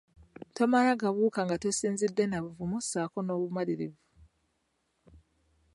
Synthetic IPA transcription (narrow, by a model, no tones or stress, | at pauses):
to̞maɾaɡaβuːkaŋɡatosiːnzidːe̞naβuvumusaːko̞no̞ːβumaliɾivu